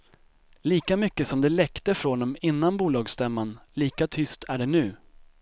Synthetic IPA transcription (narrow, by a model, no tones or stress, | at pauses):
liːkamʏkːəsɔmd̪ɛlɛkt̪əfɾɔnd̪ɔmɪnːanbuːlɑːɡsd̪ɛmːanliːkat̪ʰʏst̪ʰæɖɛnʉ̟ː